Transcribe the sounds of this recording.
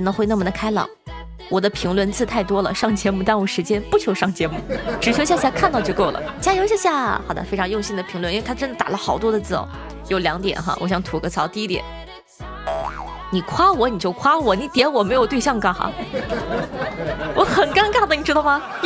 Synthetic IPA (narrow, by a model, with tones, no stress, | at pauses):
nə˧˥ŋxwɪna˥˩mə˩d̪ə˩kʰa˥ɪlɑ̰˨˩˦ʊ | wɔ˨˩d̪ə˦pʰi˧˥ŋlwə˧nt͡sɹ̩˥˧t̪ʰa˥˩ɪt̪wɔ˥lə˨ʂɑ˥˩ŋt͡ɕʰjɛ˧˥mu˥˧t̪a˥˩nwɔ˨˩ʂɻ̩˧˥t͡ɕjɛ˥npu˥˩t͡ɕʰjo˧˥ʊʂɑ˥˩ŋt͡ɕʰjɛ˧˥mu˥˩ʈ͡ʂɻ̩˨˩t͡ɕʰjo˧˥ɕja˥˧ɕja˥˧kʰa˥˧nt̪ɑ˥˧ʊt͡ɕjo˥˧ʊko˥˩ʊlə̰˩t͡ɕja˥jo˧˥ʊɕ̬a˥ɕja˥˩xɑ˨˩d̪ə̰˦fe˥ɪʈ͡ʂʰɑ˧ŋjʊ˥˧ŋɕi˥˩ŋd̪ə˩pʰi˧˥ŋlwə˧ni˥we˥˩tʰa˥ʈ͡ʂə˥nd̪ə˨t̪a̰˨˩lə˦xɑ˨˩ʊt̪wɔ˥d̪ə˧t͡sɹ̩̰˥˩˨ | jo˨˩ʊljɑ˧˥ŋt̪jɛ̰˨˩nxa̰˧wʔɔ˧˥˩ɕjɑ˧˩ŋt̪ʰu˧˥kɤ˧˥˩t͡sʰɑ˧˥ʊt̪i˥˧i˥t̪jɛ̰˨˩˦n | ni˨˩kʰwa˥wɔ˧˥ni˨˩t͡ɕjo˥˩ʊkʰwa˥wɔ˨˩˦ni˧˥t̪jɛ˧˥nwɔ˨˩me˧˥ɪjt̪we˥˧ɪɕjɑ˥˧ŋkɑ˥˩xa̰˥˩ | wɔ˧˥xə˨˩nka˥nkd̪ə˩ni˩ʈ͡ʂɻ̩˥t̪ɑ˥˩ʊma˧